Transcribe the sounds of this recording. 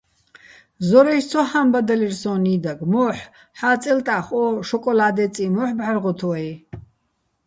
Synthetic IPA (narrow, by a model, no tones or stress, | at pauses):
zɔɾɛʃt͡sʰɔħambad̪alirsɔ̃ːnid̪aɡmɔːħ | ħaːt͡sʼɛlt̪ʼaχɔʃɔkʼɔlaːd̪ɛt͡sʼimɔħbʕarʁɔt̪ʰɔɛj